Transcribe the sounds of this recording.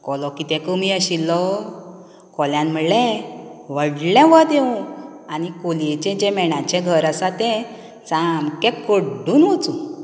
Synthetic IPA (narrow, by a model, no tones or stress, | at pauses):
kɔlɔkit̪ɛ̃kəmiəɕilːɔ | kɔljãnm̤əleʋəɽlɛ̃ʋət̪eũanikoljet͡ɕẽd͡ʑɛ̃mɛɽ̃ãt͡ɕɛ̃ɡʱəɾasat̪ɛ̃ | t͡samkɛ̃kəɖuːnʋot͡su